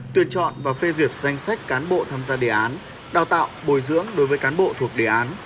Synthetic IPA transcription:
t̪wi˧˩ənt͡ɕɔ̰˧˨nvaː˨˩fe˧zwi˨˩əp̚za˧jŋ̟sa˦˥jk̟̚kaː˨˦nɓo̰˧˨t̪ʰaː˧mzaː˧ɗḛ˧˨˩ʔaː˨˦n | ɗaː˨˩wt̪a̰ː˧˨wɓo˨˧˩jzɨ̰˧˥əŋɗo˨˦jvəː˨˦jkaː˨˦nɓo̰˧˨t̪ʰu˨˩ək̚ɗe˧˩ʔaː˨˦n

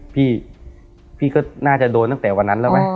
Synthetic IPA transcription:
pʰiː˥˩ | pʰiː˥˩kɔː˥˩naː˥˩t͡ɕa˨˩doː˧nt̪a˥˩t̪ɛː˨˩wa˧nːa˦˥nla˦˥˩ma˦˥

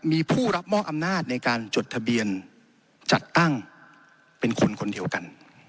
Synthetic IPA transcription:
miː˧pʰuː˥˩ɾa˦˥p̚mɔː˥˩ʔa˧mnaː˥˩t̪̚na˧jkaː˧nt͡ɕo˨˩t̪ʰa˧bi˧ən | t͡ɕa˨˩t̪ːa˥˩ŋ | pe˧nkʰo˧nkʰo˧ndi˧əwka˧n

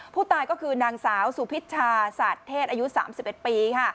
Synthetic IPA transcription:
pʰuː˥˩t̪aː˧jkɔː˥˩kʰɯː˧naː˧ŋsaː˩˦wsu˨˦pʰi˦˥t̪̚t͡ɕʰaː˧saː˨˩t̪ʰːeː˥˩t̪̚a˧ju˦˥saː˩˦msi˨˩p̚ʔe˨˩t̪̚piː˧kʰa˥˩

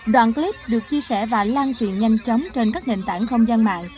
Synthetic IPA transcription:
ɗwa̰ː˧˨nkli˦˥p̚ɗɨ˨˩ək̚t͡ɕi˧əsɛ˧˩vaː˨˩laː˧ŋt͡ɕwḭ˧˨ənɲa˧jŋ̟t͡ɕə˨˦wŋ͡mt͡ɕe˧nkaː˦˥k̚nḛ˧˨nt̪aː˧˩nxə˧wŋ͡mzə˧nma̰ː˧˨n

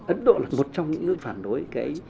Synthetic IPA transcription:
ʔə˨˦nɗo̰˧˨laː˨˩mo˨˩t̚t͡ɕɔ˧wŋ͡mɲɨ̰˧˥ŋːɨ̰˧˥faː˨˩nɗo˨˦jkaː˨˦j

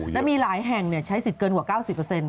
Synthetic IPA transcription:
lɛː˦˥miː˧laː˩˦jɦɛ˨˩ŋni˧˩ɐt͡ɕʰa˦˥jsi˨˩t̪̚kɤː˧nkwaː˨˩kaː˥˩wsi˨˩pːə˧se˧n

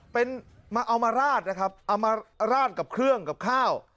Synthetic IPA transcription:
pe˧nmaː˧ʔa˧wmaː˧ɾaː˥˩t̪̚na˦˥kʰɾa˦˥p̚ʔa˧wmaː˧ɾaː˥˩t̪̚ka˨˩p̚kʰɾɯ˥˩əŋka˨˩p̚kʰaː˥˩w

